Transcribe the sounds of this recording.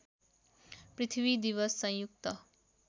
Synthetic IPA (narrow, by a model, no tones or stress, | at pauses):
prit̪ʰibid̪iβʌsːʌ̃jjuk̚t̪ʌ